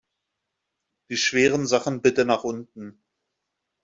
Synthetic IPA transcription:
d̥iːʃv̥eːʁənzaχn̩bɪtənaːχʔʊntn̩

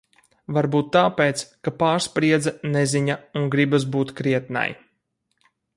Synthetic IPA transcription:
vaɾbuːt̪ːaːpeːt̪skapaːɾspɾiɛd̪zanɛzʲiɲauŋɡɾibas̬buːt̪kɾiɛt̪̚na̰j

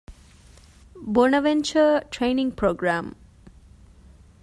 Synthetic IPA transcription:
bonəʋent͡ʃəʈɾejnĩŋɡpɾoːɡɾam

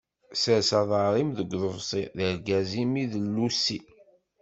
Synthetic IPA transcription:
səsɑðˤəɾˤimðəɡʷðəvsˤiðəɾɡæzimiðəlːusːi

